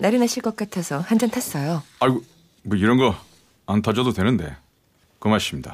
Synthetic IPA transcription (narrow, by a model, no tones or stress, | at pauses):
naɾinaɕʰiɭk͈ʌk͈̚atʰesʰʌhand͡ʑʌntʰas͈ʌjoaɭɡo | mʌiɾʌnɡʌ | antʰad͡ʑʌdodwe̞nɯnde̞̰ | kɯmaɕ͈imɲida̰